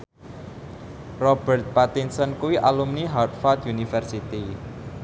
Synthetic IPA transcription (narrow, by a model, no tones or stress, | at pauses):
rɔb̥ɛrt̪̚pat̪insɔnkuwiʔalumniɦat̪̚fat̪junifərsit̪i